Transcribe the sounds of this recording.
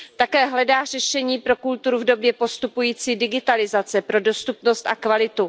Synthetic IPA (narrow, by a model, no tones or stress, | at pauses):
t̪akɛːɦlɛdaːr̝ɛʃɛɲiːpɾo̞kult̪uɾuvdo̞bjɛpo̞st̪upujiːt͡siːdɪɡɪt̪alɪzat͡sɛpɾo̞do̞st̪upno̞st̪ʔakvalɪt̪u